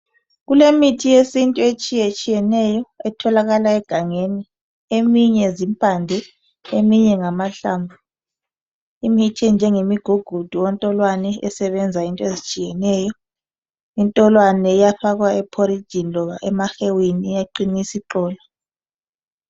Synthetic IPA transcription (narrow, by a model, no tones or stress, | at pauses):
ɣulemitʰijesintʼuet͡ʃʼijɛt͡ʃʼijɛnɛjɔɛtʰɔlaɣalaɛɡ̥ʱaŋeni | emiɲɛzimpʼandʱɛ | emiɲɛŋamaɬambʱu | imitʰind͡ʒʱɛŋemiɡ̥ʱuɡ̥ʱud̥ʱuwɔntʼɔlwanɛɛsɛβɛnd͡zʱaintʼɔezit͡ʃʼijɛnɛjɔ | intʼɔlwanɛjafaɣwaɛpʰoɾi̥ʒ̥ʱinlɔβaʔɛmaxewinijaǃinisiǃɔːla